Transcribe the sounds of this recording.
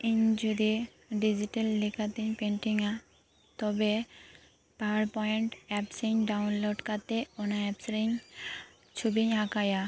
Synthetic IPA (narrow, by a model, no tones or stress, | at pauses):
iɲd͡ʒud̪i | ɖid͡ʑiʈelːekʰat̪iɲpeɳʈiŋa | t̪ɔbe | pawaɾpɔjeɳʈɛpsiɲɖawnloɖkat̪eonaɛpsɾiɲ | t͡ʃʰubiɲɦãkaja